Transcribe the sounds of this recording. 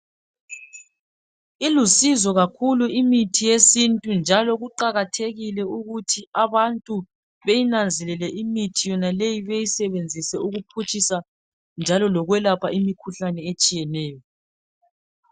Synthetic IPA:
ilusizɔɣakʰuluimitʰijesintʼund͡ʒʱalɔɣuǃaɣatʰeɣilɛuɣutʰiaβantʼu | βejinand͡zʱɛlɛlɛʔimitʰijɔnalejiβejisɛβend͡zʱisɛuɣupʰut͡ʃʼisa | nd͡ʒʱalɔlɔɣwɛlapʰaimikʰuɬanɛet͡ʃʼijɛnɛːjɔ

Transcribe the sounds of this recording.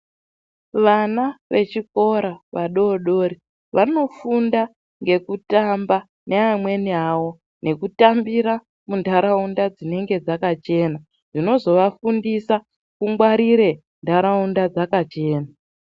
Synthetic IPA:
ʋanaʋe̞t͡ʃiko̞ɾaʋaɗo̞ːɗo̞ːɾi | ʋʔano̞funda | ŋɡe̞kutamba | neamwe̞nawo̞ | nʔe̞kutambiɾa | mundʱaɾaundad͡zine̞ŋɡe̞d͡zakat͡ʃe̞ːna | ʐ̥ino̞zo̞ʋafundisa | kuŋɡwaɾiɾe̞ | ndʱaɾaundad͡zakat͡ʃe̞ːna

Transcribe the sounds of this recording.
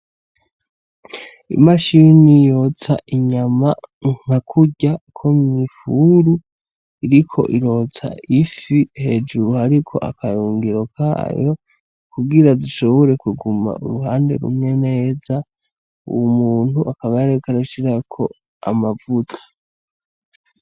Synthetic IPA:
ḭmaʃinijot͡saʔiɲamaŋ̥akʰuɟakʰomɲifuɾu | iɾikʰo̞̰ʔiɾo̞ːt͡sʰa̰ifihe̞d͡ʒuɾuhaɾikʰo̞̰ʔa̰kajuːŋɡiɾo̞kʰa̰jo | kuɡiɾadiʃo̞βo̞ɾe̞kuɡuma̰ṵɾuɦaːnde̞̰ɾṵmŋe̞ne̞ːza | ṵwumuːn̥huʔakaβajaɾekaɾaʃiɾakʰo̞̰ | a̰mavutʰḁ

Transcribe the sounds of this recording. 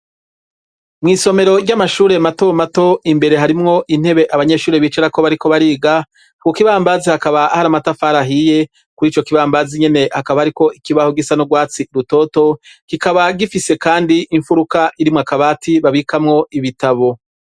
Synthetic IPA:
mŋiːso̞me̞ɾo̞ɟɟamaʃuːɾe̞mato̞mato̞imbe̞ɾe̞ɦaɾimŋo̞ʔin̥he̞βe̞ʔaβaɲe̞ːʃuːɾeβiːt͡ʃeɾako̞βaɾiko̞βaɾiːɡa | kukiβaːmbazihakaβahaɾamatafaːɾaɦije̞ | kuɾiːt͡ʃo̞kiβaːmbaziɲe̞ne̞hakaβahaɾiko̞ʔikiβahoɡisanoɡwaːt͡siɾuto̞ːto̞kikaβaɡifise̞kaːndiʔːɱfuɾukaʔiɾimŋakaβaːtʰiβaβikamŋo̞iβitaβo̞

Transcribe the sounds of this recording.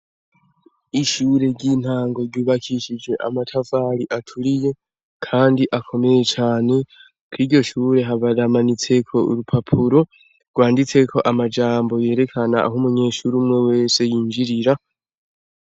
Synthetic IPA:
iʃuːɾe̞ɟiːn̥haːŋɡo̞ɾɟuːβakʰiʃid͡ʒwe̞ʔa̰matʰavaɾiʔatʰuɾije̞ | kʰaːndiʔakʰo̞me̞je̞t͡ʃaːne̞ | kwiːɾɟo̞ʃuːɾe̞ɦaβaɾamanit͡se̞kʰo̞ṵɾupʰapʰuɾo̞ | ɡwaːndit͡se̞kʰo̞ʔamad͡ʒaːmbo̞je̞ːɾe̞kʰana̰ːɦumuɲe̞ːʃuɾiumŋe̞we̞ːse̞jiːnd͡ʒiɾiɾa

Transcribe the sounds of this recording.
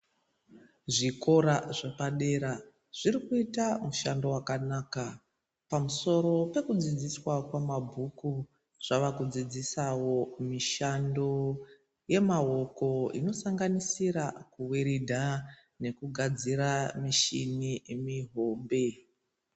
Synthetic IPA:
ʐiko̞ɾaʐepaɗe̞ɾa | ʐ̥iɾikuitamuʃando̞wakanaːka | pamuso̞ɾo̞pe̞kud͡zid͡ziswakwamabʱuku | ʐ̥aʋakud͡zid͡zisawo̞miʃando̞ | je̞mao̞ko̞ḭno̞saŋɡanisiɾakuweɾidʱa | ne̞kuɡʱad͡ziɾamiʃinimiɦo̞ːmbe̞

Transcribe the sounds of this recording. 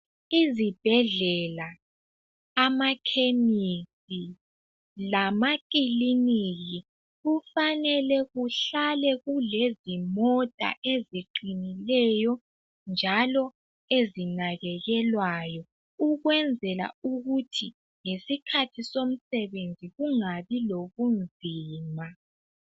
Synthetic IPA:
izib̥ʱɛɮɛlaː | makʰemisʼi | lamakʼiliniɣi | ɣufanɛlɛɣuɬalɛɣulezimɔtʼa̰ʔeziǃinilɛjɔ | nd͡ʒʱalɔ | ezinaɣɛɣɛlwajɔ | uɣwɛnd͡zʱɛla̰uɣutʰi | ŋesikʰatʰisom̩sɛβend͡zʱiɣuŋaβiloɣund͡zʱiːma

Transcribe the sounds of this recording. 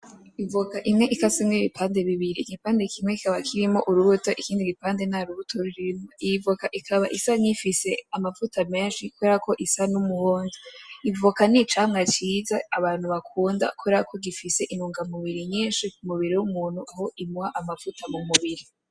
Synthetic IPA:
ivukaʔimŋe̞ʔikasimŋeiβipʰaːnde̞βiβiɾiɡipaːnde̞kʰimŋeki̥kaβakʰiɾimo̞ʔuɾuβutoʔikiːndiɡipaːnde̞naɾuβutʰoɾiɾiimoiivukaʔikʰaβaʔisaɲifise̞amafutʰameːnʃikoakʰo̞ʔisanumuhoːnziivukanit͡ʃaːŋŋat͡ʃiːzaːβaːn̥huβakʰuːnda̰kʰueɾaakʰo̞ɡifise̞ʔinuːŋɡamuβiɾiɲiːnʃikumuβiɾijwumuːn̥huʔaho̞ʔimuhaʔamafutʰamumuβiɾi

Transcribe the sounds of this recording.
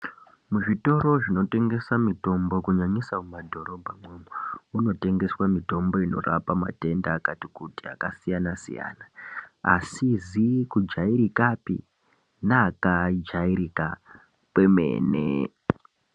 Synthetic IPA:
muʐito̞ɾo̞ʐino̞te̞ŋɡe̞samito̞mbo̞kuɲaɲisamumadʱo̞ɾo̞bʱamemouno̞te̞ŋɡe̞swamito̞mbo̞ino̞̰rapama̰te̞ndaːkatikutia̰kasijanasḭja̰ːnaa̰sizikud͡ʒaiɾikapḭ | naːkad͡ʒaiɾika | pwe̞mḛːnḛ

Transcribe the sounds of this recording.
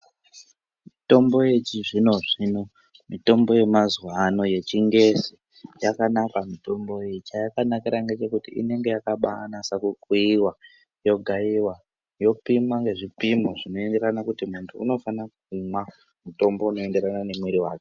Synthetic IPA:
mito̞mbo̞jet͡ʃiʐino̞ʐino̞ | mito̞mbo̞je̞mazwano̞je̞t͡ʃiŋɡe̞si | jakanakamito̞mbo̞jet͡ʃajakanakiɾaŋɡe̞t͡ʃe̞kutiʔḭne̞ŋɡe̞jakaɓanasakukwuiwa | jo̞ɡʱaiwa | jo̞pimaŋɡe̞ʐipimoʐino̞e̞nde̞ɾanakutimuntʰuːno̞fanakuuma | muto̞mbo̞uno̞e̞nde̞ɾanane̞mweɾiwaːke̥

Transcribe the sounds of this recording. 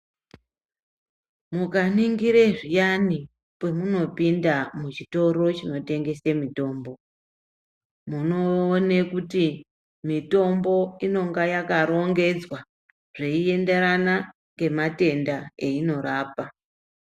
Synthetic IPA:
mukaniŋɡiɾe̞ʐijani | pwe̞muno̞pindamut͡ʃito̞ɾo̞t͡ʃino̞te̞ŋɡe̞semito̞ːmbo̞ | muno̞ːne̞kuti | mito̞mbo̞ino̞ŋɡajakaɾo̞ŋɡe̞d͡zwa | ʐ̥e̞ie̞nde̞ɾana | ŋɡe̞mate̞ndaeino̞ɾaːpa

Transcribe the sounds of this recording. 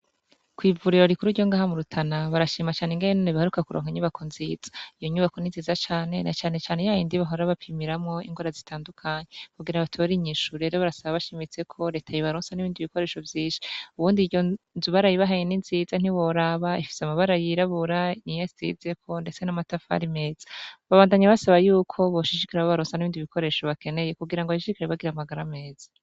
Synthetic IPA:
kwiːvuɾiɾo̞ɾikuɾuɾɟo̞ŋɡaːhamuɾutʰanaβaɾaʃiːmat͡ʃaːneŋɡenenoneβihaɾukakuɾo̰ːŋhaɲuβakʰonziz̥ḁijoɲuβakoninziːzat͡ʃaːne̞nat͡ʃaːne̞t͡ʃaːnejajindiβaɦoɾaβapʰimiɾamŋo̞ḭŋɡwaːɾazitʰaːndukʰaɲekuɡiɾaβatʰoɾiɲiːʃuɾe̞ɾoβaɾasaβaβaʃemit͡se̞kʰo̞ɾe̞ːtʰajiβaɾoːnsaniβiːndiβiko̞ɾe̞ːʃo̞vjiːnʃi̥uβuːndiɟo̞ | zuβaɾajiβaɦajeninziːzan̥iwo̞ɾaβaifi̥seamaβaɾajiɾaβuɾanijaszize̞kʰo̞nde̞t͡se̞namatafa̰ɾime̞ːz̥ḁβaβaːndaɲaβasaβajuːkʰo̞βoʃiʃikiɾaβoβaɾoːnsaniβiːndiβikʰo̞ɾe̞ːʃo̞βake̞ne̞je̞kuɡiɾaŋɡoaʃiʃikiɾeβaɡiɾamaɡaɾame̞ːz̥ḁ

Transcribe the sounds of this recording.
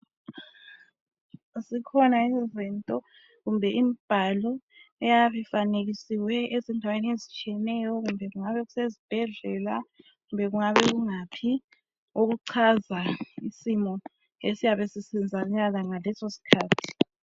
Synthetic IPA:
zikʰɔnaizintʼɔ | ɣumbʱɛʔimib̥ʱalɔɛjaβifaneɣisiwɛezɛndʱaweniezit͡ʃʼiɛnɛjɔɣumbʱɛɣuŋaβɛɣusezib̥ʱɛɮɛla | ɣumbʱɛɣuŋaβɛɣuŋapʰi | oɣuǀʰazaisimɔ | esijaβesisind͡zʱauɲaɣaŋalɛsosi̥kʰaːtʰi̥

